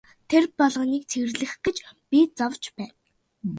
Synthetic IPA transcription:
t̪ʰerpɔɮʁɞ̆niːk̚t͡sʰeɣɘ̆rɮɘ̆xɡĕt͡ɕpʲit͡sɔwt͡ɕpæːn

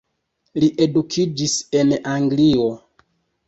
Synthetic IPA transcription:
liʔe̞dukʰid͡ʒise̞naŋɡlio̞

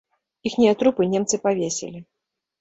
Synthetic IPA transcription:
ixnʲɛat̪ɾupɨnʲɛmt̪sɨpavʲesʲɛ̰lʲi

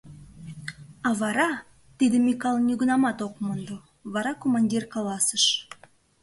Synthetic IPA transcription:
ɑβɑɾɑ | t̪id̪əmʲikɑlˠnʲyɡənɑmɑt̪okmənd̪o | βɑɾɑkomɑnʲdʲirkɑlɑsəʃ

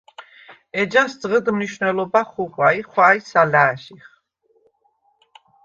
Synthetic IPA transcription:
ɛd͡ʒasd̪zʁəd̪mniʃvnɛlɔbaχuχwaiχwaːisalaːʃiχ

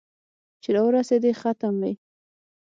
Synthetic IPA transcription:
t͡ʃeɾɑwəɾased̪exat̪amwij

